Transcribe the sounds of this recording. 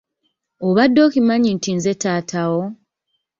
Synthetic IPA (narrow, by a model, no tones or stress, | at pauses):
oβadːo̞kimaɲintinze̞taːtʰawo